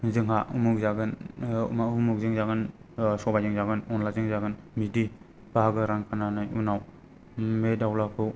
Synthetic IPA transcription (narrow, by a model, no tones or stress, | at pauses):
zɯŋɦaumuk̚zaɡɯn̰maumuk̚zɯŋzaɡɯnsɔbazɯŋzaɡɯnɔnlazɯŋzaɡɯnmidi | b̥aɦaɡɯɾaŋkʰananajunaw | medawlakʰɯw